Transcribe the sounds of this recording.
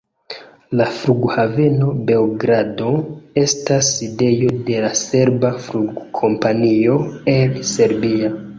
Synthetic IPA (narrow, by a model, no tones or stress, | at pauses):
lafɾuɡhave̞no̞be̞wɡɾado̞e̞stasːide̞jo̞de̞lase̞ɾbafluɡkʰo̞mpanio̞e̞nse̞ɾbia